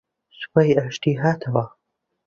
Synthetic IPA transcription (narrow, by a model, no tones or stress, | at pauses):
spajaʃt̪iːɦaːt̪ʰɐwɐ